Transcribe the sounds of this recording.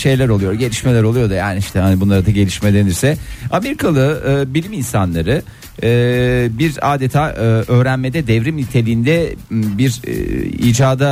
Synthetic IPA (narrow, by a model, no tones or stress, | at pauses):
ʃe̞jlʲæɾo̞lˠujo̞ɾɟe̞lʲiʃmelʲæɾo̞lˠujo̞d̪ujaːniiʃt̪ʰɛhanibunlˠaɾɯd̪aɟe̞lʲiʃmelʲeniɾsɛame̞ɾikʰalˠɯɯːbilʲiminsanlˠaɾɯ | biɾaːd̪et̪ʰaːʔɯːʔøːɾænmed̪ɛd̪ɛvɾimlʲit̪ʰe̞lʲiːnd̪ɛbiɾ̰ḭːd͡ʒaːd̪a